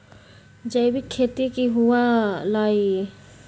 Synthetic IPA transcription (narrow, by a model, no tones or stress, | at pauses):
d͡ʒəjbikʰːet̪ikiɦuwalai